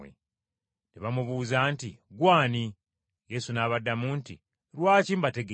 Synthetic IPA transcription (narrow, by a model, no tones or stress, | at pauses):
ḛ | neβamuβuːzantiɡwaːni | je̞sunaːβadːamuːntḭ | ɾwaːciːmbate̞ɡe